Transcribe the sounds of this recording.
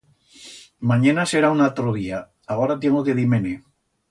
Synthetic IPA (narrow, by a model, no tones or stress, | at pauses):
maɲanaseɾaunalt̪ɾoð̞ia | aɣoɾat̪̬jeŋokeðimene